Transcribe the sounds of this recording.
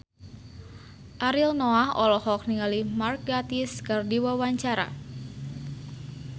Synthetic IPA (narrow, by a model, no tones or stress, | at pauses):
ʔaɾilnɔahɔ̰lɔhɔk̚niŋalimark̚ɡat̪iskɨrdiwawaɲt͡ʃaɾa̰